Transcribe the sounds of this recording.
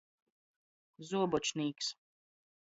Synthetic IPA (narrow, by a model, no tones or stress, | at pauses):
zuːbɔt͡ʃniks